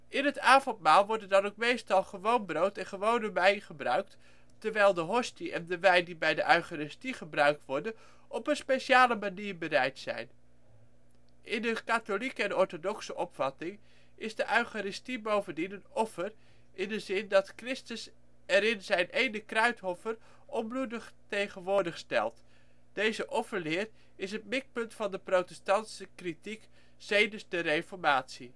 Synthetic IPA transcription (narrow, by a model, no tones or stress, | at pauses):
ɪnɦətaːvɔntmaːlˠʋɔɹdəndɑnowk̚mejstɑlˠχəʋownbrowtɛnχəʋownəmɛjnχəbrœ̰ɥk̚t | tɛɹʋɛjlˠdəɦɔstiʔɛndəʋɛjndibɛjdəʔœɥχaɾɪstiχəbrœɥk̚tʋɔɹdən | ʔɔpənspejʃaːləmaniːɹbəɾɛjtsɛ̰jn | ʔɪndəkatolikəɛnɔɹtodɔksəʔɔpfɑtɪŋ | ʔɪzdəʔœɥχaɾɪstibowvəndinənɔfər | ʔɪndəzɪndɑtkrɪstəs | ɛɾɪnzɛjnʔejnəkrœɥtɦɔfər | ʔɔnbludəχtejχənʋʊːɹdəχstɛ̰lˠt | d̥ejzəʔɔfəɹlɪːr | ɪs̬ət̚mɪk̚pɵntfɑndəprowtɛstɑntsəkritik | z̥ejdənzdərejfɔɹmaːtsi